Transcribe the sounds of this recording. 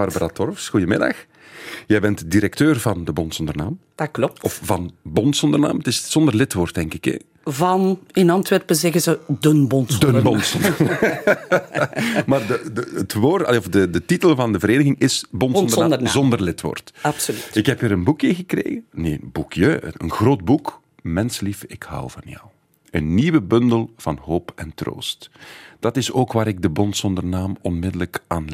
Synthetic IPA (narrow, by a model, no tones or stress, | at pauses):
arbəɾatɔrfsxujəmɪ̰dɑ̰x | jɛjbɛntdiɾɛk̚tøːrvɑndəbɔntsɔndərna̰ːmdklɔɔfvɑnbɔntsɔndərna̰ːmtɪsz̥ɔndərlɪtʋoːrtɛŋkɪkɛ̰ | vɑnɪnɑntʋɛrpəzɛɣəzədənbɔndənbɔntsɔnː | maːrdədəətʋoːrtɑ̰leɔfdədətitəlvɑndəvəɾeːnəɣɪŋɪsbɔntɔnənaəzɔndərlɪtʋo̰ːrtɑpsolytɪkɦɛpiːɾənbukjəɣəkrḛːɣənḛːnbukʰjəə̰ə̰nɣroːd̚buk | mɛnslifɪkha̰wvɑ̰njɔ̰w | ənːiwəbɵndəlˠv̥ɑnɦoːpɛntro̰ːstd̥ɑtɪsoːkʋaːɾɪɡ̚dəbɔntsɔndərnaːmɔnmɪdələkʔaːnl